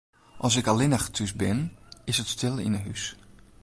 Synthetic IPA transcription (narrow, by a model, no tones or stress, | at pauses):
ʔɑlˠs̬ɪkalɪnaxə̥tʰys̬bɪnɪsətstɪlˠɪ̰nəɦys